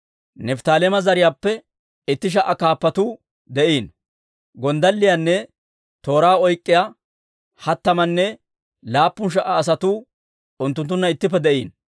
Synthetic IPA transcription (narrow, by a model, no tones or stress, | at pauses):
nɛft̪aːlɛmɐzɐɾɪjaːpːɛ | ɪt̪ːɪʃ̬ɐʔɐkaːpːɐt̪uː | d̪ɛʔiːn | ɡɔnd̪ɐlːɪjanːɛ | t̪o̞ːɾaːɔjkʼːɪja | hɐt̪ːɐmɐnːɛ | laːpːʊnʃ̬ɐʔɐːs̬ɐt̪uː | ʊnt̪ːʊnt̪ːʊnːɐɪt̪ːɪp̬ːɛd̪ɛʔiːn